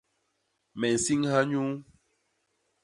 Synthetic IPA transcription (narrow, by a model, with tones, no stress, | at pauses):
mɛ˨n̩˨si˦ŋha˦ɲu˦